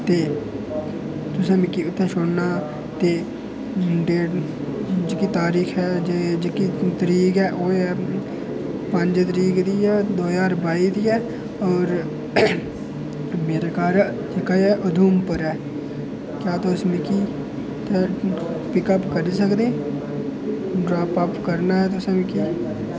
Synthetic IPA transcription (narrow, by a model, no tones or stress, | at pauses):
t̪eː | t̪ʊsãːmɪkːiːʊt̪ʰːɛ̃ːʃoɽnaː | t̪eː | ɖeː | d͡ʒekiːt̪aːɾiːxʰɛːd͡ʒeːd͡ʒekiːt̪əɾiːɡɛːʔoːɛː | pəɲd͡ʒt̪əɾiːkd̪iːɛːd̪oːzaːɾbaːiːd̪iːɛː | ɔːɾ | meːɾekaːɾ | d͡ʒeːkajɛːʔʊd̪ʱuːmpəɾɦɛː | kjaːt̪osmɪkiː | t̪epɪkəpkəɾisəkd̪ẽː | ɖɾaːpəpkəɾnaɦɛt̪osmɪkiː